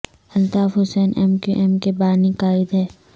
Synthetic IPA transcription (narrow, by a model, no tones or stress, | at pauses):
ɐlt̪aːfɦʊsɛːnʔɛ̰mkṵʔɛmkebaːnikaːɪd̪ɦɛː